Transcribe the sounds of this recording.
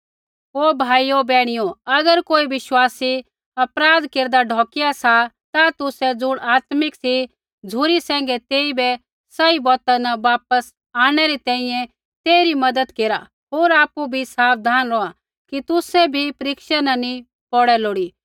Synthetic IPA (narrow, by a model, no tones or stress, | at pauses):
ɦoːbʱaːiobɛːɽ̃ijoɐɡəɾkoːiʋɪʃwaːsi | ɐpɾaːd̪keːɾd̪aɖʱɔːkɪjasat̪at̪ʊsɛd͡zʊɽ̃aːt̪mɪksi | d͡zʱʊɾisɛ̃ːŋ̆ɡɛt̪eːibɛ | sɐibɔːt̪anɐʋaːpəs | aːɽ̃ɛɾit̪ɛ̃ːĩjɛ̃ | t̪eːɾimɐd̪əd̪keːɾa̰ | ɦoːɾaːpubʱisaːpd̪ʱaːnɾɔːa | kit̪ʊsɛbʱipɐɾɪkʃənɐni | pɔɽɛloːɽiː